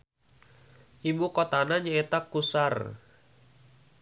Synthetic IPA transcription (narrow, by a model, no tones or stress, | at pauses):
ʔimukɔt̪anaɲəɛt̪akusar